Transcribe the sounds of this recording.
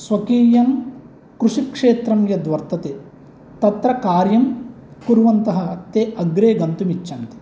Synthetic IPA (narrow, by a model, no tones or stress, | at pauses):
sʋɐkiːjɐn | kɾuʂikʂeːt̪ɾɐmjɐd̪ʋɐɾt̪ɐt̪eː | t̪ɐt̪ɾɐkaːɾjɐm | kuɾʋɐnt̪ɐɦɐt̪eːɐɡɾeːɡɐnt̪umit͡ʃːɐnt̪i̥